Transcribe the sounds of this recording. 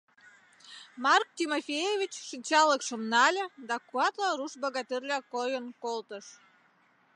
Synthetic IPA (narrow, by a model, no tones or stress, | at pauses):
mɑrk̚tʲimofʲejevʲit͡ɕʃɨnʲt͡ɕɑləkʃomnɑlʲĕd̪ɑkuɑt̪lɑɾuʃbɑɣɑt̪irlʲɑkojənkolt̪əʃ